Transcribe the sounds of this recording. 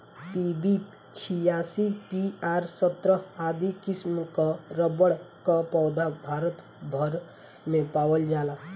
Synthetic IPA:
pibi | t͡ʃʰijaːsipiaːɾsət̪ɾəaːd̪ikɪsmkaɾəbəɽkapɔːd̪abʱaːɾət̪ | bʱəɾ | mẽpaːwəld͡ʒaːlaː

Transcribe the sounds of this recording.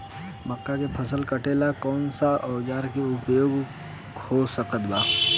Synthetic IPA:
məkːakepʰəsəlkəʈeːlakɔːnsaɔd͡ʒaːɾkeʊpjoːɡ | hosəkət̪baː

